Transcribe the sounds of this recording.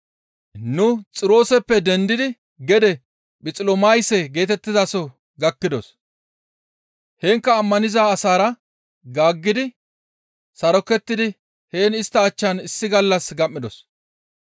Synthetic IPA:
nʊt͡sʼɪɾo̞ːsɛpːɛd̪ɛnd̪ɪd̪ɪ | ɡɛd̪ɛ | ɓɪt͡sʼɪlɔmɐjsɛɡe̞ːt̪ɛt̪ːɪzasɔ | ɡɐkːɪd̪ɔs | heːŋkːɐːmːɐnɪzaːsaːɾɐ | ɡaːɡːɪd̪ɪ | sɐɾɔkːɛt̪ːɪd̪ɪ | he̞ːnɪst̪ːɐːt͡ʃːɐnɪsːɪɡɐlːɐsɡɐmːɪd̪ɔs

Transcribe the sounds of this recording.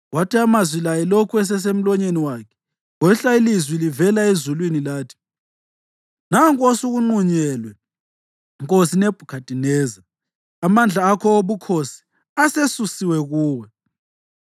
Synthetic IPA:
watʰiamazwilajɛlokʰuɛs̬ɛs̬em̩lɔɲeniwaːkʰɛ̥ | wɛɬailizwilivɛlaezulwinilaːtʰi̥ | naŋkʼosuɣuŋ͡ǃuɲɛlwɛ | ŋkʼosineb̥ʱukʰatʼinɛːza | amand͡ɮʱaːkʰɔoβukʰosi̥ | asesusiwɛɣuːwɛ

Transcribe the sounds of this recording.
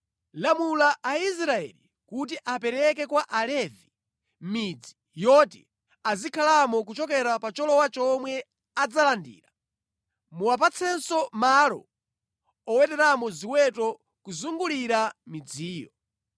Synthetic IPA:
lamulaʔais̬ɾaɛ̰li | kut̬iʔapɛɾɛk̬ɛkwaʔalɛvi | mid͡zi | jɔtḭ | azikʰalamɔk̬ut͡ʃɔkɛɾapat͡ʃɔlɔwat͡ʃɔmwɛ | ad͡zalandḭːɾa | muwap̬at͡sʰɛnsɔmalɔ̰ | ɔwɛtɛɾamɔziwɛtɔ | kuzuŋɡuliɾamid͡ziːjɔ

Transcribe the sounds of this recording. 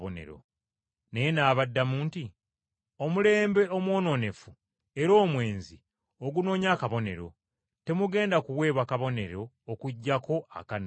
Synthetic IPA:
onḛɾo̰ | nejenaːβadːamuːnti | o̞mule̞ːmbe̞o̞mwo̞ːno̞ne̞fu | e̞ɾo̞ːmwe̞ːnzi | oɡuno̞ːɲaːkaβo̞ne̞ɾo̞̰ | te̞muɡe̞ːndakuwe̞ːβwakaβo̞ne̞̰ɾo̞ːkuɟːako̞a̰kanː

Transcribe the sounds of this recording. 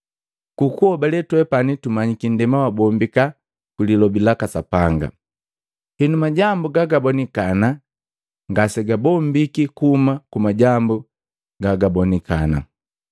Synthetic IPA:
kukuɔbalɛtwɛpanitumaɲikin̩dɛmawabɔmbika | kulilɔbilakasapaŋɡa̰ | hinumaɟambuɡaɡabɔnikana | ŋɡasɛɡabɔmbikikuːmakumaɟambu | ɡaɡabɔnikana̰

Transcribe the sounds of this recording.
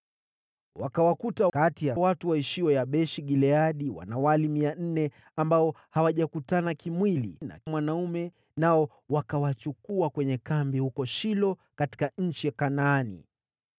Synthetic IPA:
wakawakutakatijawatuwaiʃiwɔjaɓɛʃiɠilɛaɗiwa̰nawalimian̩nɛ | ambaɔ | hawaʄakutanakimwilḭna̰mwanaumɛ | naɔ | wakawat͡ʃukuakwɛɲɛkambihukɔʃilɔ | kati̥kaɲ̩t͡ʃiakanaːnḭ

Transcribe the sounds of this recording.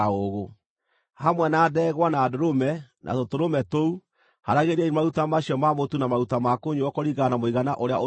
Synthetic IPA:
oɣo | hamwɛnaːdɛːɣwanaːdoɾomɛnʔa̰totoɾomɛtou | haɾaɣeɾaimautamaɕiɔmamotunamaɾutamakoɲuɔkɔɾiɣanamoiɣanaʔoɾeaʔo

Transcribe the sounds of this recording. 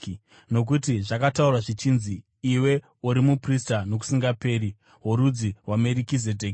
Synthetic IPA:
no̞k̬utiʐakataurwaʐit͡ʃinziː | we̞ | uɾimupristano̞k̬u̥siŋɡape̞ːɾi | ɦoɾud͡ziwame̞ɾikizedʱeːk

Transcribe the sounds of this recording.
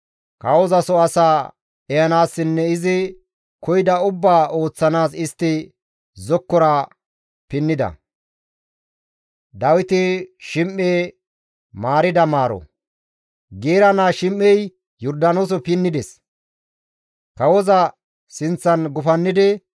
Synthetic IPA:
kɐwɔzɐsɔɐsaː | ɛjɐnaːsːɪnːɛɪzɪ | kɔjd̪ɐʊbːaːo̞ːt͡sːɐnaːsɪst̪ːɪ | zɔkːɔɾɐ | pɪnːɪd̪ɐ̰ | d̪ɐwɪt̪ɪʃɪmʔːeː | maːɾɪd̪ɐmaːɾɔ̰ | ɡeːɾɐnaːʃɪmːɛj | jɔɾd̪ɐnoːs̬ɔpɪnːɪd̪ɛs | kɐwɔzɐ | sɪnt͡sːɐnɡʊfɐnːɪd̪ɪ

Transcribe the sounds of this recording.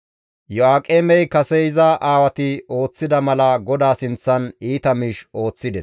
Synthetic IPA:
jɔaːkʼeːmɛjkɐsɛɪzɐʔaːwɐt̪ɪo̞ːt͡sːɪd̪ɐmɐlɐɡɔd̪aːsɪnt͡sːɐniːt̪ɐmɪʃo̞ːt͡sːɪd̪ɛs

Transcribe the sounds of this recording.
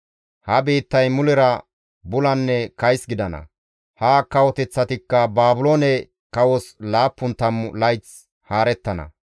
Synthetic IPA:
hɐbeːt̪ːɐjmʊlɪɾɐ | bʊlɐnːɛkɐjsɡɪd̪ɐnɐ̰ | haːkɐwɔt̪ɛt͡sːɐt̪ɪkːɐbaːbʊloːnɛ | kɐwɔslaːpːʊnt̪ɐmlɐjt͡s | haːɾɛt̪ːɐnɐ̰

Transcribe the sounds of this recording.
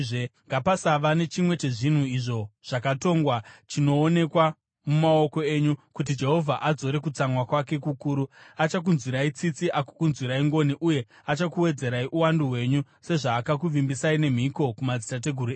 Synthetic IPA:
eŋɡapasaʋane̞t͡ʃimwe̞t͡ʃe̞ʐin̤uiʐo̞ʐ̥akato̞ŋɡwat͡ʃino̞ːne̞kwa | mumao̞ko̞e̞ɲukut̬id͡ʒe̞ɦo̞vʱaʔad͡zo̞ɾe̞kut͡samwakwake̞kukuːɾuat͡ʃak̬unzwiɾait͡sit͡siʔaku̥kunzwiɾaiŋɡo̞niʔuje̞ | at͡ʃakuwe̞d͡ze̞ɾaiʔuwanduɦwe̞ɲu | se̞ʐaːkak̬uʋimbisaine̞m̤iko̞kumad͡zitat̬e̞ɡʱurɾueː

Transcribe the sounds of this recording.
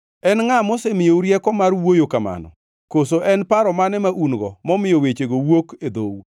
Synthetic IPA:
ɛnŋamosemɪjouɾjɛkɔmarwojokama̰nɔ̰ | kosoʔɛnpaɾɔmanɛmaʔunɡɔmɔmɪjowet͡ʃeɡowoked̪ou

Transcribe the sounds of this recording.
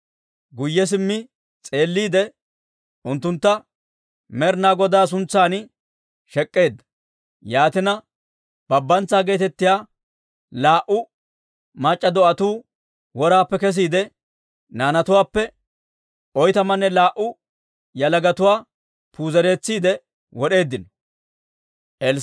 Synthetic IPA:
ɡʊjːɛs̬ɪmːɪ | t͡sʼe̞ːlːiːd̪ɛ | ʔʊnt̪ːʊnt̪ːɐ | mɛɾnaːɡɔd̪aːs̬ʊnt͡sːaːnɪ | ʃɛkʼːe̞ːd̪ːɐ | jaːt̪ɪnɐ | b̥ɐbːɐnt͡sːaːɡe̞ːt̪ɛt̪ːɪjaː | laːʔʊ | mɐt͡ʃʼːɐd̪ɔʔɐt̪uː | wɔɾaːpːɛkɛs̬iːd̪ɛ | naːnɐt̪ʊwaːpːɛ | ʔɔjt̪ɐmɐnːɛlaːʔʊ | jɐlɐɡɐt̪ʊwaː | puːzɛɾe̞ːt͡sːiːd̪ɛ | wɔɗe̞ːd̪ːɪnɔ | ʔɛl

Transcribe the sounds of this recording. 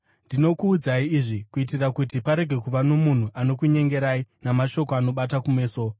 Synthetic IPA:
ndino̞kuːd͡zaiːʐikuitirakutipaɾe̞ɡʱe̞kuʋano̞mun̤uʔano̞kuɲe̞ŋɡe̞ɾainamaʃo̞koano̞ɓatakume̞ːso̞

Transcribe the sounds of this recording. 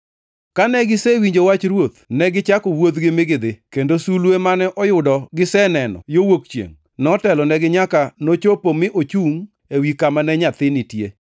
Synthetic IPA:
kanɛɡɪsɛwiɲd͡ʒowat͡ʃɾwot̪̚nɛɡɪt͡ʃakɔwod̪ɡɪmɪɡɪd̪ɪkendosulwemanɛʔɔjʊdɔɡɪsɛnɛnɔ̰jowokt͡ʃjḛŋ | nɔtɛlɔnɛɡɪɲakanot͡ʃopomɪʔot͡ʃuŋ | ewikamanɛɲat̪ɪnɪtje

